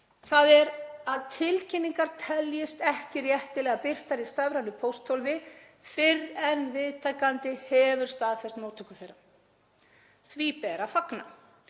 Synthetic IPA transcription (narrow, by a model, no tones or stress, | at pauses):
θaðɛɾaðt̪ʰɪlcʰɪnːiŋkaɾ̥t̪ʰɛljɪst̪ɛhcɪrjɛht̪ɪlɛːɣapɪr̥t̪aɾist̪avɾanːʏpʰowst̪ʰowlvɪ | θfɪrɛnvɪðt̪ʰaːkant̪ɪhɛvʏɾ̥st̪aːðθɛst̪moːwt̪ʰœkʏ̥θejɾːa | θvipɛːɾafakna̰